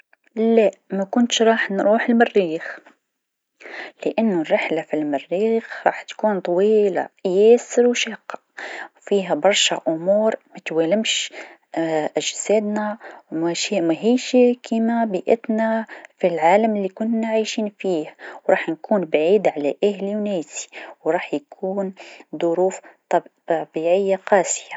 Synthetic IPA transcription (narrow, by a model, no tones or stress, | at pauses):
lamakʊnt̪ʃɾˤɑːħnɾuːħɪlmɪrːiːx | lɪʔanːʊrːɪħlafilmɪrːiːxɾˤɑ̰ːħt̪kuːnt̪ˤɑwiːla̰jeːsɪɾwʃaːqɑ | wfiːɦabɑɾˤʃa̰ʔʊmuːɾmat̪waːlɪmʃ | ʔæʒsæːd̪næwmæʃimæɦiːʃikʰimæbiʔɪ̰t̪nafilʕaːləmlːikʊnːaʕajʃiːnfiːhwɾˤɑːħnkuːnbʕiːd̪ʕalæʔahljunæːsi̥wɾˤɑːħjkʰuːnd̪ˤʊɾuːft̪ɑ | biʕɪjːaqɑːsɪja